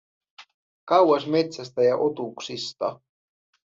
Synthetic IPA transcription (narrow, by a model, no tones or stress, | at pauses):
kɑwɑsme̞t̪sæst̪æjɑʔo̞t̪uksist̪ɑ̰